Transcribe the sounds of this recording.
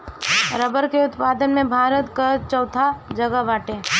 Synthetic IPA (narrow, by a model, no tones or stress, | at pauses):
ɾəbəɾkeʊt̪paːd̪ənmẽbʱaːɾət̪kət͡ʃɐʊt̪ʰad͡ʒəɡəʋaːʈẽː